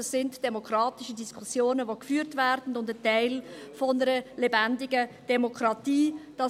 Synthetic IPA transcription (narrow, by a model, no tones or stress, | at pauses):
əsːɪndd̥ɛmokɾɑːtɪʃədiskʰusjoːnəʋokfyːɾtvæːɾd̥n̩ʊndətɛɪlfɔnəɾəlebændɪɡəd̥ɛmokʰɾɑtiːd̥ɑ